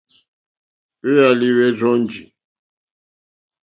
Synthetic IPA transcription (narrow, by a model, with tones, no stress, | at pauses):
e˦ja˨li˦wɛ˦zɔ˦nd͡ʒḭ˨